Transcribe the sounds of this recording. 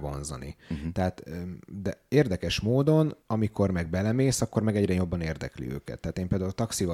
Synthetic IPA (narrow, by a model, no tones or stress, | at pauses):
vo̞̰nzɒ̰nḭt̪ɛɦaːt̪ːd̪ɛeːrd̪ɛkɛʃmoːd̪o̞nɒmiko̞rmɛɡ̚bɛlɛmeːsɒkːo̞rmɛɡɛɟrɛjo̞bːɒneːrd̪ɛ̰klḭø̰ːkɛ̰t̪ːɛaːt̪eːmpeːld̪aːult̪ɒksivɒ